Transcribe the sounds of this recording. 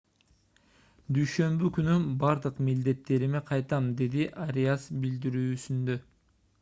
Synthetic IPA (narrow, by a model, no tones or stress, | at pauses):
d̪yjʃø̞mbykynynbɑɾd̪ɯqmild̪e̞t̪ːe̞ɾimeqʰɑjt̪ɑmd̪e̞d̪iʔaɾʲeasbild̪iɾyːsynd̪ø̞